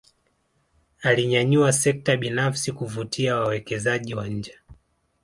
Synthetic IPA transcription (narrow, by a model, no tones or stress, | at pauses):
aliɲaɲuasɛk̚taɓinafsikuvutʰiawawɛkɛzaʄiwaɲ̩d͡ʒɛ